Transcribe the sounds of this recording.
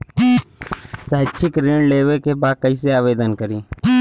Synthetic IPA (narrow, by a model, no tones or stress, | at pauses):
səɦɪt͡ʃʰɪkɾeːɳleːʋekebaːkəiseaːʋeːd̪ənkəɾiː